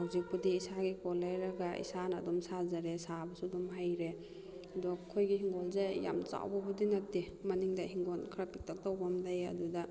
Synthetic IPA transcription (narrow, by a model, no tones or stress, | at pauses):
hawzik̚budiːsaɡikɔlːajɾaɡaḭsanadɔmsazaɾesabɐsudɔmɦajɾe | adɔkʰːojɡiɦiŋɡɔlzeja̰mt͡ʃa̰wbabudinatːimaniŋdahiŋɡɔnkʰɾapik̚tʰak̚taubamdaja̰duda